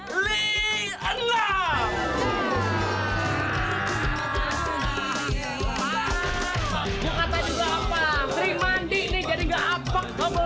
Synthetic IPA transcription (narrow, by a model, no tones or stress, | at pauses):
li | anla | ɡaŋat̪ad͡ʒuɡaːpaɾimand̪ɪʔnɪhd͡ʒadiɡaʔapak̚t̪ɔm